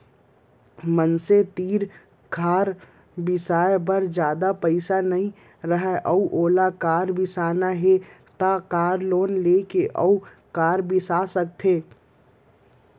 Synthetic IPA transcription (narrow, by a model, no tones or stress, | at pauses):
mənset̪iːɾ | kʰaːɾ | bɪsaːebəɾd͡ʒjaːd̪apəɪsanəɦĩ | ɾəɦɛʔəuʔoːlakaːɾbɪsaːnaɦet̪akaːɾloːnleːkeʔə̰u | kaːɾbɪsasək̚t̪ʰeː